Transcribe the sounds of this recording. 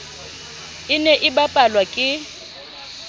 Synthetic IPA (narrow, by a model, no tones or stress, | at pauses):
ɪnɛʔɪbapʼalwakʼɪ